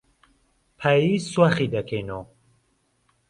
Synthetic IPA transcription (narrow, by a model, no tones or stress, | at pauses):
pʰajiswaχid̪ɐkʰejno